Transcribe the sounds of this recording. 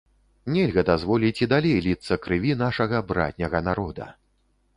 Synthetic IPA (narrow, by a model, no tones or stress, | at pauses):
nʲɛlʲɣɐd̪azvɔlʲit͡sʲid̪alʲejlʲit̪sːɐkɾɨvʲin̪aʂɐɣɐbɾa̰t̪ʲnʲɐɣɐnaɾɔd̪ɐ̰